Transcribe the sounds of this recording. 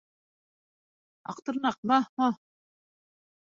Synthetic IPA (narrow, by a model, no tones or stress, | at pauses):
ɑ̰q̚t̪ɤ̆ɾnɑq̚mɑmɑ